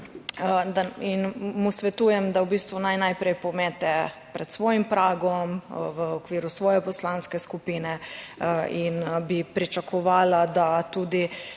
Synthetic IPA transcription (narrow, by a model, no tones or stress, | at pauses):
d̪ainmusʋɛt̪uːjɛmd̪awbiːst̪ʋunajnajpɾɛjpɔmɛːt̪ɛpɾɛt̪sʋɔːjimpɾaːɡɔmʋəɔkʋiːɾusʋɔːjɛpɔslaːnskɛskupiːnɛ | inbipɾit͡ʃakʰɔʋaːlad̪at̪uːd̪i